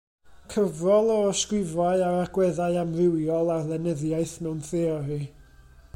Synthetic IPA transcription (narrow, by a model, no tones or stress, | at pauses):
kʰəvrɔlˠɔskwɪvaɨaɾaɡ̥wɛðaɨamrɪwjɔlˠarðɛnəðjaɨθmɛwnθeɔɾi